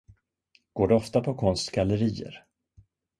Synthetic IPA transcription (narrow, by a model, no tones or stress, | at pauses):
ɡ̥oːɖɛɔft̪apʰɔkʰɔnst̪ɡaləɾiːə̰ɾ